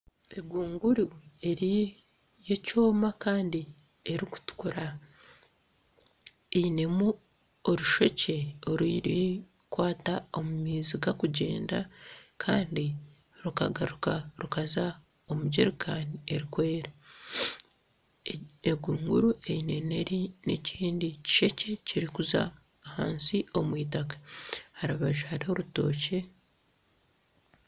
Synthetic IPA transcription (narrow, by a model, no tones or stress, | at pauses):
e̞ɡuːŋɡuɾue̞ɾi | je̞coːmakaːndi | e̞ɾiku̥tu̥kuɾa | eine̞mu | oɾuʃo̞ce̞oɾiɾi | kwaːtao̞mumiːziɡakuɟe̞̰ːnda̰kʰaːndi | ɾukaɡaɾukaɾukaza | o̞muɟeɾikʰaːnie̞ɾikwe̞ːɾa | eɡuːŋɡuɾue̞ine̞ne̞ɾinḛciːndici̥ʃe̞ce̞ciɾikuza̰ː | ha̰ːnsio̞mwiːtakḁhaɾaβaʒuhaɾiho̞ɾuto̞̰ːce̞